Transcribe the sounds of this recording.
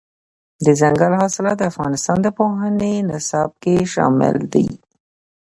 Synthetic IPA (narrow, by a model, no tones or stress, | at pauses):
d̪əzaŋɡalɦɑsɪlɑd̪əafɣɑnɪst̪ɑnd̪əpoɦənenɪsɑb̚keʃɑ̰mɪ̰ld̪ḭ